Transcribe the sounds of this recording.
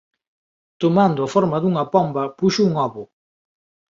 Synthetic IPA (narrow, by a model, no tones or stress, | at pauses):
t̪omand̪ʊɐfɔɾmɐðuŋɐpɔmbɐpuʃʊuŋɔβʊ